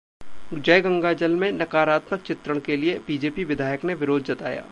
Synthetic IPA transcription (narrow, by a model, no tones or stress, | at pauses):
d͡ʒɐjɡɐ̃ŋɡaːd͡ʒəlmẽnɐkaːɾaːt̪mək̚t͡ʃɪt̪ɾəɽ̃keliebiːd͡ʒeːpiʋɪd̪ʱaːjəkneʋɪɾoːd̪d͡ʒɐt̪a̰ːja̰ː